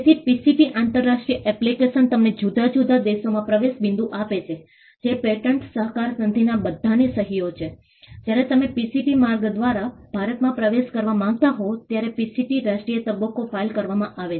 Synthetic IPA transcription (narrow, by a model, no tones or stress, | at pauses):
et̪ʰipisiʈiʔant̪əɾːaʃʈɾijəʔɛplikeʃənt̪əmned͡ʒud̪ʱad͡ʒud̪ʱad̪eʃomãpɾəʋeʃbɪ̃nd̪uʔapet͡ʃʰe | d͡ʒepeʈəɳʈsəɦkaɾsənd̪ʱinabəd̪ʱːanesəɦijot͡ʃʰe | d͡ʒjaɾet̪əmepisiʈimaɾɡd̪ʋaɾab̥ʱaɾət̪mãpɾəʋeʃkəɾʋamãŋɡ̚t̪aɦot̪jaɾepisiʈiɾaʃʈɾijət̪əbəkofailkəɾʋamãʔaʋe